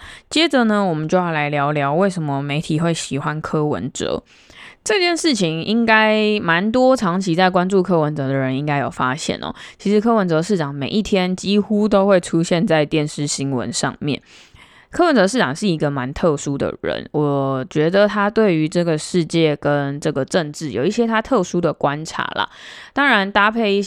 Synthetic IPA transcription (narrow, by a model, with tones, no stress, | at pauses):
t͡ɕjɛ˥də˨nə˧wɔ˨˩mə˨nt͡ɕjo˥˧ʊjɑ˥˩la˧˥ɪljɑ˧˥ʊljɑ˧˥ʊwe˥˩ɪʂə˧˥nmə˧me˧˥ɪt̪ʰi˨˩xwe˥˩ɪɕi˨˩xwa˦nkʰɤ˥wə̰˧˦nt͡sɤ̰˧˦ | ʈ͡ʂɤ˥˧t͡ɕjɛ˥˧nʂɻ̩˥˩t͡ɕʰi˨ŋi˦˥ŋka˥ɪma˧˦nt̪wɔ˥ʈ͡ʂʰɑ˧˥ŋt͡ɕʰi˧˥t͡sa˥˩ɪk̬wa˥nt͡su˥˩kʰɤ˥wə˧˦nt͡sɤ˧˥d̪ə˧˨ɻə˧˦ni˦˥ŋka˥ɪjo˨˩ʊfa˥ɕjɛ̰˥˩nɔ̰˨˩t͡ɕʰi˧˥ʂɻ̩˧˥kʰɤ˥wə˧˦˥nt͡sɤ˧ʂɻ̩˥˩ʈ͡ʂɑ˨˩˦ŋme˨˩ɪʔi˥˩t̪ʰjɛ˥nt͡ɕi˥xu˦t̪o˥ʊxwe˥˩ɪʈ͡ʂʰu˥ɕjɛ˥˧nt͡sa˥˧ɪt̪jɛ˥˨nʂɻ̩˥˩ɕi˥ŋwə̰˧˦nʂɑ̰˥˨˧ŋmjɛ̰˥˩n | kʰɤ˥wə˧˦nt͡sɤ˧˥ʂɻ̩˥˩ʈ͡ʂɑ˨˩ŋʂɻ̩˥˩i˧˥ɡə˨ma˧˦nt̪ʰɤ˥˩ʂu˥d̪ə̰˨˩ɻə̰˧˦nwɔ˨˩t͡ɕɥɛ˧˥d̪ə˨t̪ʰa˥t̪we˥˩ɪy˧˥ʈ͡ʂɤ˥˩ɡə˩ʂɻ̩˥˧t͡ɕjɛ˥˩kə˦˥nʈ͡ʂɤ˥˩ɡə˩ʈ͡ʂə˥˧nʈ͡ʂɻ̩˥˩jo˨˩i˥˩ɕjɛ˥t̪ʰa˥t̪ʰɤ˥˩ʂu˥d̪ə˨kwa˦nʈ͡ʂʰa̰˧˥lə̰˩t̪ɑ˥ŋɻa˧˦nt̪a˥pʰe˥˩˧ɪi˥˩